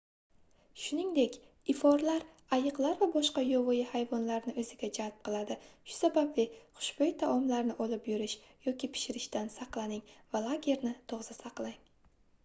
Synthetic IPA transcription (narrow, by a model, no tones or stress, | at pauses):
ʃʊnɪŋd̪e̞kʲ | ɪfɒɾlaɾ | ajɨqlˠaɾvabɒʃqɑjɒvɒjɪhajvɒnlaɾnɪʔɵzɪɡʲad͡ʒalp̚qʰɨlˠad̪ɪʃʊ̥sabablɪχʊ̥ʃbejt̪ʰaʔɒmlaɾnɪʔɒlɪpjʊɾɪʃjɒkʲʰɪpʰɪ̥ʃɪɾɪʃt̪ansaqlˠanɪŋvalˠaɡʲe̞ɾnɪt̪ʰoʁzasaqlˠaŋ